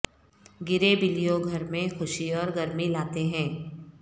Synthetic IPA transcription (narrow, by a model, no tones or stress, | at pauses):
ɡɪɾebɪlijoɡʱɐɾmẽxʊʃiɔːɾɡɐɾmilaːt̪eɦɛ̃ː